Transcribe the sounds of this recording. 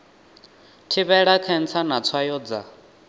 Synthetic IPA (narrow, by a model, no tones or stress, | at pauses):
tʰiβɛɺakʰɛnt͡sʰanat͡sʰwajɔːd͡za̰